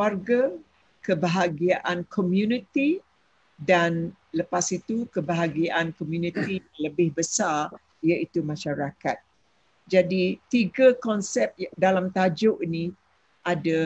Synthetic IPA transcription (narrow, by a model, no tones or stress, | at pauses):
arɡa | kəbəɦaɡiaʔankʰomjunit̪i | dan | ləpasit̪ukəbaɦaɡiaʔankomjunĩt̪ijaŋləbɪhbəsar | iait̪umãʃaɾakat̪̚ | d͡ʒadit̪iɡakɔnsɛp̚dalamt̪ad͡ʒoʔinĩ | ʔada